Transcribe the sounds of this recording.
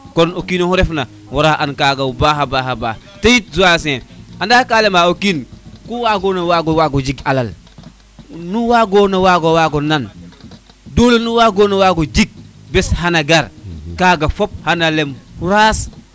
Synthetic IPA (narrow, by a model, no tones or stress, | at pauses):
konokinohuɾefna | wuɾaʔankaːɡaubaːɦabaɦabaːh | tejit̚zuas̬ẽandakaːlemaokinkuwaɡonawaɡowaɡod͡ʒiɡalal | nuwaɡonawaɡowaɡonan | dolonuwaːɡonawaɡod͡ʒiɡ̚beshanaɡaɾkaːɡafop̚hanalemhuɾaːs